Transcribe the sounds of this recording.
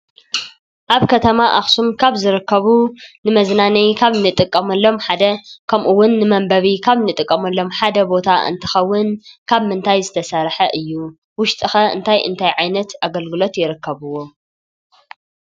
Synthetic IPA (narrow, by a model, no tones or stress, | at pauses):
ʔaβkʰɐt̪ʰɐmaʔaxsumkʰaβzɨɾɨkːɐβunɨmɐznanɐjkʰaβnɨt̪ʼɨkʼːɐmɐlːo̞mħad̪ɐkʰɐmʔuwːʊnːɨmɐmbɐβikʰaβnɨt̪ʼɨkʼːɐmɐlːo̞mħad̪ɐbo̞t̪ʰaʔɨ̰nt̪ʰɨ̥xɐwːʊnkʰaβmɨnt̪ʰajzɨt̪ʰɐsɐɾħɐʔɨjːu | wʊʃt̪ʼɨxɐɨ̰nt̪ʰajʔɨ̰nt̪ʰajʕajnɐt̪aɡɐlɡɨlo̞t̪jɪɾɨkʰːɐβɨwo̞